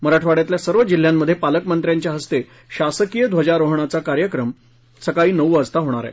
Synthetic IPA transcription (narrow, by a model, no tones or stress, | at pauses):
məɾaʈʰʋaɽjat̪ljasəɾʋəd͡ʑil̤ːjamːəd̪ʱːjepaləkmənt̪ɾjaɲt͡ɕjaɦəst̪e | ɕasəkijəd̪ʱʋəd͡ʑaɾoɦɳ̃at͡sakaɾjəkɾəm | səkaɭiːnəʋuəst̪aɦoɽ̃aɾa̰